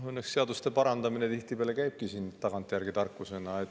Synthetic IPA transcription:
ɤnːeksːe̞ɑd̪ust̪e̞pɑɾɑnd̪ɑmine̞t̪iht̪ipeːlekæjb̥̚kisiːnt̪ɑɡɑnt̪ˑjærɡ̥it̪ɑrkːˑuse̞nɑet̪

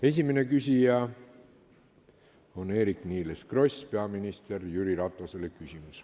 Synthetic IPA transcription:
e̞s̬ʲimene̞kysʲijɑ | o̞ne̞ːɾikniːleskro̞sʲpe̞ɑminist̪e̞rjyɾiɾɑt̪ˑːoselekysʲimus

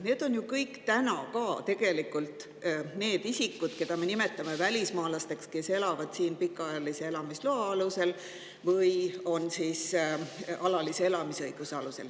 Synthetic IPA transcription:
ne̞ːd̪̥o̞njukɤjkt̪ænɑ̰kɑːt̪e̞ɡ̥e̞likːˑult̪ˑː | ne̞ːd̪̥isikːˑud̪̥ke̞d̪̥ɑme̞nime̞t̪ːˑɑme̞vælʲismɑːlɑst̪e̞kske̞se̞lɑvɑd̪̥siːnpikːˑɑjɑlise̞e̞lɑmisloɑɑluse̞l | vɤjo̞nsiːs | ɑlɑlisee̞lɑmisɤjɡ̥useɑluse̞l

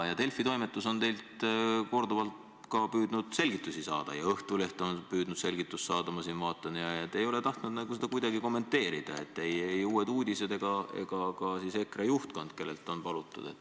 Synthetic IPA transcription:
jɑt̪e̞lfˑit̪o̞jmet̪ːˑuso̞nt̪e̞jlt̪ko̞rd̪ovɑlt̪ | kɑpyːd̪nud̪̥se̞lɡ̥it̪ːˑusisɑ̰ːd̪̥ɑ̰jɑɤht̪ule̞ht̪o̞npyːd̪̥nud̪̥se̞lɡ̥it̪ːˑust̪sɑːd̪ɑmɑsinvɑːt̪ːˑɑnjɑet̪ːˑe̞jo̞le̞t̪ɑht̪nud̪næɡuse̞d̪̥ɑkujd̪̥ɑɡiko̞mːe̞nt̪ːe̞ːɾid̪̥ɑ̰e̞t̪ːe̞jejuːe̞d̪uːd̪ʲise̞d̪e̞ɡ̥ɑe̞̰ɡ̥ɑkɑsiːse̞krɑjuht̪̚kond̪ke̞lːe̞lt̪ːˑo̞npɑlut̪ːˑṵd̪̥e̞̰t̪ːˑ

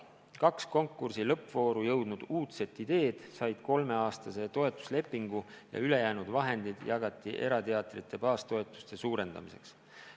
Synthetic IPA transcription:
kɑksko̞ŋkːursilɤ̞pːvo̞ːɾujɤwd̪̥nud̪̥uːt̪se̞t̪ːˑid̪̥e̞ːd̪̥sɑjd̪̥ko̞lme̞ɑːst̪ɑse̞t̪o̞e̞t̪ːˑu̥sle̞pːiŋɡ̥u | jɑ̰yle̞jæːnud̪̥vɑɦe̞nd̪id̪̥jɑɡɑt̪ːˑiʔe̞ɾɑt̪eɑt̪ˑrit̪ːˑe̞pɑːst̪o̞et̪ːˑu̥st̪e̞suːɾe̞nd̪̥ɑ̰mise̞̰ks

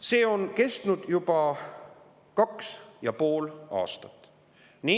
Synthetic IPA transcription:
se̞ːo̞nke̞st̪nud̪̥jub̥ɑ | kɑksjɑpo̞ːlɑ̰ːst̪ɑt̪ːˑ | niː

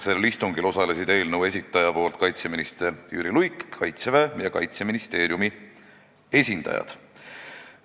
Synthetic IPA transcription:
se̞list̪uŋɡilo̞sɑle̞sid̪̥e̞ːlnəwe̞sʲit̪ːˑɑjɑpo̞ːlt̪kɑjt̪seminist̪eɾjy̰ːɾilujkkɑjt̪sevæːjɑkɑ̰jt̪seminist̪e̞ːɾjumi | e̞sʲind̪̥ɑ̰jɑ̰d̪̥

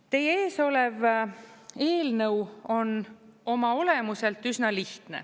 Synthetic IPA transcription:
t̪e̞jeeːso̞lev | e̞ːlnɤwo̞no̞mɑo̞le̞muse̞lt̪ːˑysnɑliht̪nḛ

